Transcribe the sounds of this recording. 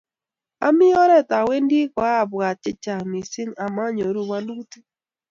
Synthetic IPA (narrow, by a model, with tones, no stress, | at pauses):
a̰˦mɪ˦ɔ˦ɾɛ˦˨ta˨we˦ndi˦kwa˦˨bwa˨t͡ʃɪ˦t͡ʃa˨mi˨sɪ˦ŋa˨ma˦ɲo˨ɾu˦˨wa˦ndu˦ti˦